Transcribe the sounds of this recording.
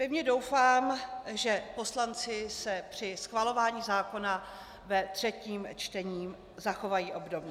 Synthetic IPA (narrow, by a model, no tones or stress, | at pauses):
vɪmɲɛdo̞wfaːmʒɛpo̞slant͡sɪsɛpr̝̥ɪsxvalo̞vaːɲiːzaːko̞na | vɛt̪r̝̥ɛciːmt͡ʃt̪ɛɲiːm | zaxo̞vajiːʔo̞bdo̞bɲɛ